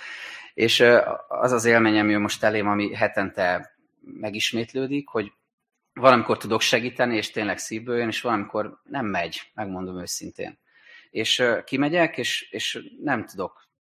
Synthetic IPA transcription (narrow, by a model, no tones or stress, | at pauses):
eːʃɒ̰zɒzeːlmeːɲɒmiøːmo̞ʃt̪ɛleːmɒmiɦɛt̪ɛnt̪ɛ | mɛɡiʃmeːt̪løːd̪ikho̞ɟ | vɒlɒmiko̞rt̪ud̪o̞kʃɛɡiːt̪ɛnieːʃt̪eːnlɛksiːvbøːjøneːʃʋɒlɒmikʰo̞rnɛmːɛɟmɛɡmo̞nd̪o̞møːsint̪ḛːn | eːʃkimɛɟɛkeːʃeːʃnɛmt̪ud̪o̞k